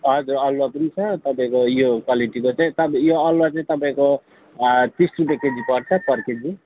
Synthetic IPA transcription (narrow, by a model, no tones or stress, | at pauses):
ɦʌd͡zurʌlwapʌnit͡sʰʌt̪ʌpaĩkojokwaliʈikot͡saĩt̪ʌpjoʌlwat͡saĩt̪ʌpaĩko | t̪isrupjeaked͡zipʌɽt͡sʰʌpʌrked͡zi